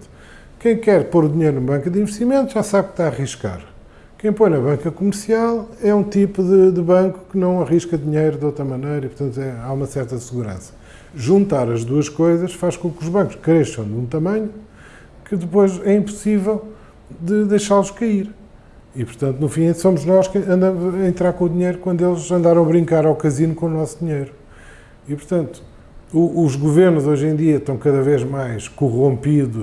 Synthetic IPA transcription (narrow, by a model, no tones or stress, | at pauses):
kɐ̃j̃kɛɾpoɾuðiɲejɾunũmɐβɐ̃ŋkɐðĩvʃt̪imẽnt̪uʒasaβkt̪aɐʁiʃka̰ɾ | kɐ̃j̃pojnɐβɐ̃ŋkɐkumɨɾsialˠɛũt̪ipuðɨd̪ɨβɐ̃ŋku̥kɨnɐ̃w̃ɐʁiʃkɐðiɲejɾuðowt̪ɾɐmɐnɐjɾɐipuɾt̪ɐ̃nt̪ɛaumɐsɛɾt̪ɐsɨɣuɾɐ̰̃sɐ̥ | ʒũnt̪aɾɐʒðuɐʃkojzɐʃfaʃkõkuʒβɐ̃ŋku̥ʃkɾeʃɐ̃w̃d̪ũt̪ɐmɐ̃ɲu | kɨðɨpojʃɛĩmpu̥sivɛlˠ | d̪ɨðɐjʃaɾlˠuʃkɐiɾ | ipuɾt̪ɐ̃nt̪unufĩsomuʒnɔʃkɐ̃nd̪ɐmuzɐẽnt̪ɾaɾkõuðiɲejɾukwɐ̃nd̪uelˠzɐ̃nd̪aɾɐ̃w̃ɐβɾĩŋkaɾawkɐzinukõunɔsd̪iɲejɾu | ipuɾt̪ɐ̃nt̪u̥ | uːʒɣuveɾnuzojʒẽd̪iɐt̪ɐ̃w̃kɐðɐveʒmajʃkuʁõmpiðuʃ